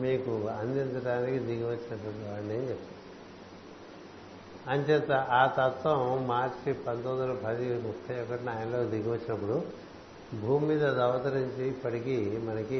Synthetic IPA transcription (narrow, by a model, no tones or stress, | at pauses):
miːkuɐnd̪int̪ɐʈaːnikid̪iɡɐʋɐt͡ʃːinɐʈːɐaɾɐɳɖeːnt͡ʃet̪ː | ɐnt͡ʃɛt̪ːɐʔaːt̪ɐt̪ʋɐ̃mmaːɾt͡ʃipɐnt̪ond̪ulɐpʰɐd̪imupʰːɐjɔkːɐʈinaːjɐnlo̞ːd̪iɡɐʋɐt͡ʃːinɐp̬ːuɽu | bʱuːmiːd̪ɐd̪ɐʋɐt̪ɐɾiɲt͡ʃiːpːɐʈikimɐnɐki